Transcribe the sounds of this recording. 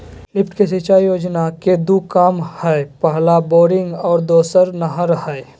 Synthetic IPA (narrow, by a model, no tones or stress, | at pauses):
lɪpʰʈkes̬it͡ʃaːijoːd͡ʒnaked̪ukaːmhɛpəɦlaboːɾɪ̃ŋɡɔːɾd̪oːsəɾnəɦaɾəɦəe